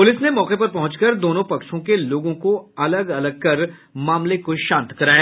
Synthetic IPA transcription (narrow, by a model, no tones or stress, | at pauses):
pʊlɪsnemɔːqepɐɾpɐɦʊ̃t͡ʃkɐɾd̪oːnõpɐkʃõkeloːɡõkoɐləɡɐləɡ̚kɐɾ | maːmlekoʃãːnt̪kɐɾaːja